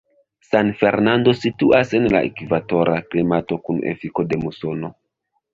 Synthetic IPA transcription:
sanfe̞ɾnando̞situʔase̞nla̰ʔḛkivato̞ɾʔaklimato̞kunḛfiko̞de̞muso̞no̞

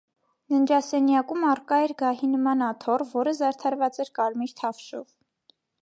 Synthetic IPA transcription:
nənd͡ʒɑsɛnjɑkumɑrkɑɛɾɡɑɦinəmɑnɑt̪ʰɔrvɔɾəzɑɾt̪ʰɑɾvɑt͡sɛɾkɑɾmiɾt̪ʰɑfʃɔv

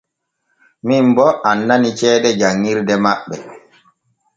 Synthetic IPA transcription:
mimbɔʔanːanit͡ʃɛːɗɛd͡ʒaŋːiɾdɛmaɓːɛ

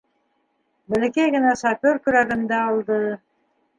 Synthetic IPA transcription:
bɘ̆lɘ̆kæjɡɘ̆næʃɑfʲoɾkɵ̆ɾæɡɘ̆nd̪æɑlˠd̪ɤ

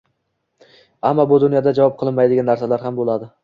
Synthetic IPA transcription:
amːabʊd̪ʊnjɒd̪ad͡ʒavɒp̚qʰɨlˠɪnmajd̪ɪɡʲanːaɾsalaɾɦambolad̪ɪ

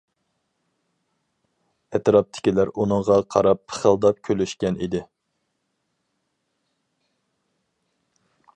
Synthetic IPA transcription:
ɛt̪ɾɑp̚t̪ʰɪ̥kʲilæɾunɨŋʁɑqʰɑɾɑpːʰə̥χəlˠd̪ɑp̚kʲʰølyʃkʲɛnḭd̪ɪ

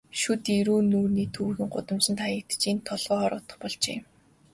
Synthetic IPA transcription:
ʃut̪iɾuːnuːrniːt̪ʰuːxɘ̆ŋɢʊ̰t̪ə̆mt͡ɕɘ̆nt̪ʰajə̆k̚t̪̆t͡ɕint̪ʰɔɮʁɔːɔːɾʊ̰t̪ə̆χpɔɮt͡ɕḛː

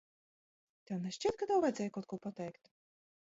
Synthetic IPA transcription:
t̪ʲɛwnɛʃʲt͡ʃʲit̪̚kad̪awvaj̪zʲɛːjkawt̪̚kuɔpat̪ʲɛjkt̪ʲ

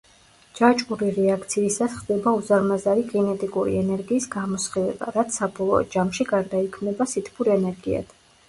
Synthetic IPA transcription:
d͡ʒat͡ʃʼuɾiɾɛakʰt̪sʰiːsasχd̪ɛbauzaɾmazaɾiɡɛnɛt̪ʼikʼuɾḭɛnɛɾɡiːsɡamɔsχilɛ̰ba̰ɾat̪sʰsːabɔlˠɔɔd͡ʒamʃiɡaɾd̪aikʰmnɛbasit̪ʰpʰuɾɛnɛɾɡia̰d̪̥ʰ

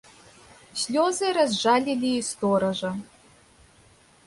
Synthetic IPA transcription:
sʲlʲoːzɨɾɐzʒaːlʲilʲiːst̪oɾɐʒɐ

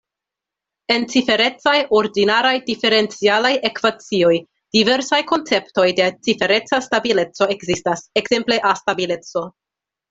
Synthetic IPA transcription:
e̞nt͡sife̞ɾe̞t͡sajo̞ɾdinaɾajdife̞ɾe̞nt͡sialaje̞kvat͡sio̞j | d̥ive̞ɾsajko̞nt͡se̞pto̞jde̞t͡sife̞ɾe̞t͡sastabile̞t͡so̞e̞kzistasekz̥e̞mple̞ʔastabile̞t͡so̞

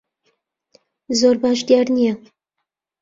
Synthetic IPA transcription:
zoɾbaːʃd̪jaɾnijɛ

